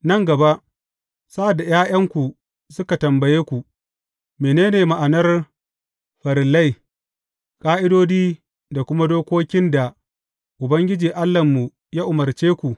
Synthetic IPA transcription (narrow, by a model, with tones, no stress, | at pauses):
nɐ˦˨ŋɡɐ˨ba˦ʔ | sa˦ʔa˨dːa˨jaː˦j̰ɐ˦ŋkʷu˨ | sʊ˦ka˨tɐ˨mbɐ˨jeː˦kʷu˨ | meː˨neː˦neː˨ma˨ʔa˨nɐ˦r | ɸɐ˨ɾɪ˨lːa˦j | kʼaː˦ʔɪ˦doː˦d͡ʒiː˦ | da˨kʷʊ˦ma˦doː˦kʷoː˦kʲɪ˦nda˨ | ʔʊ˨bɐ˦ŋɡʲɪ˦d͡ʒiː˨ʔa˦lːɐ˨mːu˨ | ja˦ʔʊ˨mɐ˨rt͡ʃeː˦kʷu˨ʔ